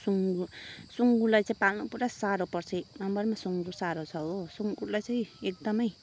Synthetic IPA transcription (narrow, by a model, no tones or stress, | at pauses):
suŋɡusuŋɡulajt͡saĩpalnupuɾasaɾopʌrt͡sʰemambʌrmasuŋɡusaɾot͡sʰʌɦosuŋɡulajt͡sãĩek̚d̪ʌmʌj